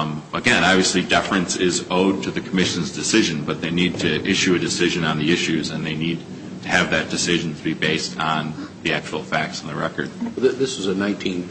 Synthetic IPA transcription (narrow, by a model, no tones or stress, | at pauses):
əɡɛ̃nɑbviɨslidɛfɹɨ̃nsɪzoʊd̚tʰɨðɨkʰəmɪʃɨ̃n̩zdɨsɪʒɨ̃nbʌt̪̚ðeɪnid̚tʰɨʔɪʃʉɨdɨsɪʒɨ̃nə̃nðiɪʃʉzɨ̃nðeɪnid̚ | tʰɨːvðɨt̚d̥ɨsɪʒn̩tʰɨbibeɪstn̩ðiæk̚t͡ʃəl̩ˠfæk̚tsn̩ðɨɹɛkə̰˞d̥̚ððɪsɨzɨnãɪ̃ntʰĩn